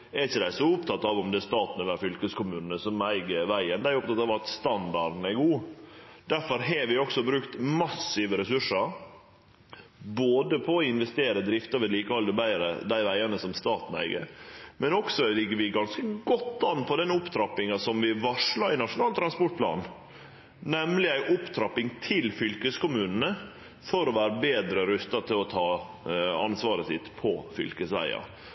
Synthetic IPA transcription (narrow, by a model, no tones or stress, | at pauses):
ɛɾçəd̪æɪsɔʊpt̪ʰɑt̪ːɑʋɔmd̪ɛst̪ɑːt̪nɛʋæːɾfʏlkəskʰʊmʉːnənəsɔmæɪɡəʋæɪənd̪æɪɾʊp̚t̪ɑt̪ɑʋɑt̪st̪ɑnd̪ɑɖ̪n̩ɛɡuːd̪̥æɾfɔɾɦɛʋɪɔksɔbɾʉkt̪mɑsːɪʋəɾɛsʉʂəɾ | boːd̪əpʰɔːɪnʋɛst̪eːɾəd̪ɾɪft̪əɾʋɛliːkəɑld̪əbæɪəɾə̰d̪æɪʋæɪɑnəsɔmst̪ɑːt̪n̩æ̰ɪɡə̰ɾmɛnɔksɔlɪɡːəʋɪɡɑnskəɡɔt̪ːɑnːpʰɔd̪ɛnʊpt̪ʰɾɑpːɪŋɑsɔmʋɪʋɑʂɭɑɪnɑʂʊnɑːlt̪ʰɾɑnspɔʈ̚pʰlɑ̰ːn | nɛmlɪæɪʔʊpt̪ʰɾɑpɪŋt̪ʰɪlfʏlkəskʊmʉːnn̩ə | fɔɾɔʋæːɾəbeːd̪ɾəɾʉst̪ɑt̪ʰɪlɔt̪ʰɑː | ɑnsʋɑːɾəsɪt̪ːpʰɔfʏ̰lkəsæ̰ɪɑ̰